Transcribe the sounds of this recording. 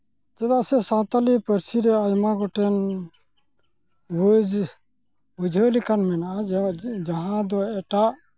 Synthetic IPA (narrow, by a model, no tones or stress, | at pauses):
d͡ʒɛd̪aʔsɛsãt̪alipəɾsiɾɛajmaɡɔʈɛn | wud͡ʒ | wud͡ʒʱəlikanmɛnʔad͡ʒaɦãd̪ɔɛʈaʔ